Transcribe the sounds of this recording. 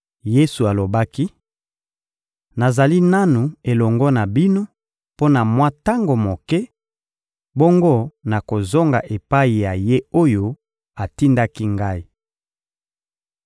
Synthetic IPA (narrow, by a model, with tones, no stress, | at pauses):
je˦su˨a˨lo˨ba˦ki˦ | na˨za˨li˦na˦nu˨e˨lɔ˨ŋɡɔ˦na˨bi˦no˦ | po˦na˨mwa˦ta˦ŋɡo˨mo˨kɛ˦ | bo˦ŋɡo˦na˨ko˨zo˦ŋɡa̰˨ʔe˨pa˦i˨ja˨je˦o˦jo˦ | a˨ti˦nda˦ki˦ŋɡa˦i˦